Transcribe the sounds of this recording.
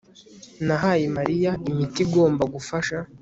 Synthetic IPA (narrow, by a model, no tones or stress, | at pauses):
naɦajemaɾijaimitiɡo̞ːmbaɡufaʃa